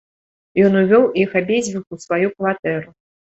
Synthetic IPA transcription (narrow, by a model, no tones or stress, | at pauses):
jɔnuvʲɔwixabʲezʲvʲiwusvajukvat̪ɛɾu